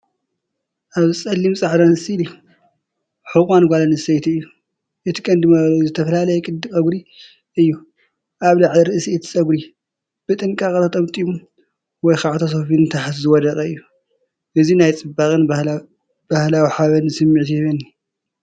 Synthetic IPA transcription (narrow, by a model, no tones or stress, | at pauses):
ʔaβɨsʼɐlːimsʼaʕd̪anɨsilɨju | ħɨkʼanɡʷalanɨsɐjt̪ɨjːu | ʔɨt̪ʰi̥kʼɐnd̪ɨmalzɨt̪ʰɐfɐlalɐjɛkʼɨd̪ɨkʼɐɡɾi | ʔɨjːu | ʔaβlaʕliɾɨʔsiɛt̪ʰi̥sʼɐɡɾi | b̥ɨt̪ʼɨŋkʼakʼɐt̪ʰat̪ʼɐmt̪ʼimu | wɔjxaʕt̪ʰas̬ofint̪ʰaħat̪zɨwɔd̪ɐkʼɐɨjːu | ʔɨzinajt͡sʼɨbaχʼɨn | b̥ahlawiħaβɐnsɨmːɨʕt̪ɛβɐnːi